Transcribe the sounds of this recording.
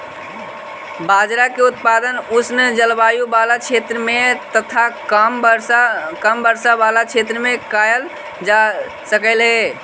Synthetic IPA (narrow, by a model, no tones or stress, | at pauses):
bad͡ʒɾakeut̪̚pad̪ənusnd͡ʒəlbajubalat͡ʃʰet̪ɾəmet̪ət̪ʰamɾkəmbəɾsabalat͡ʃʰet̪ɾəmekajəl | d͡ʒa | səkəlɦe